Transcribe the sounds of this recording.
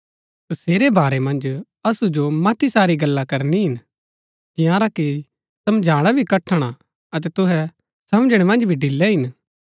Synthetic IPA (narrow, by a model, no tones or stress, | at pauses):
t̪ʊseːɾebaːɾɛmɐ̃nd͡ʒ | ɐsud͡ʒomɐt̪ʰisaːɾiɡɐlːakɐɾniɦɪn | d͡ʒɪ̃jãːɾaki | sɐmd͡ʒʱaːɽ̃abʱikɐʈʰːəɽ̃a | ɐt̪̬ɛt̪ʊɦɛ | sɐmd͡ʒɽ̃emɐ̃nd͡ʒbʱiɖɪlːɛɦɪn